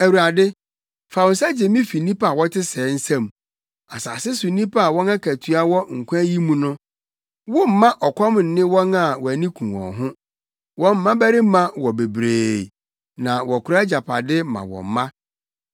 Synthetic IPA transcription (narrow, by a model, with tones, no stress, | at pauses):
æ˨wu˨ɾa˨dɪ˦ | fa˨wʊ˨nsa˦d͡ʑe˨mĩ˦fi˨nĩ˦pʰa˦a˨wɔ˦tʰɪ˦sɛː˨˦n̩˦sã˦˨m | a˨sa̰ː˨sɪ˦sʊ˨nĩ˦pʰa˦a˨wɔ̃˦nã˦kʰæ˨tʰɥa˦wɔ˦ŋ̩˨kʰʷa˦ji˦mũ˦nʊ̃˦ | wɔ˦m̩˨mã˦ʔɔ˨kʷʰɔ˦m˨n̩˨nɪ̃˦wɔ̃˦na˨wɔ˨æ˨nĩ˦kʰũ˨wɔ̰̃˨ɦʊ̃˦ | wɔ̃˦m̩ː˦ã˦bæ˦ɾɪ˦mã˦wɔ˨be˨bɾeː˨ | nã˨wɔ˨kʰʊ˨ɾa˦d͡ʑa˨pʰa̰˨dɪ˦mã̰˨wɔ̰̃˨m̩˦mã˦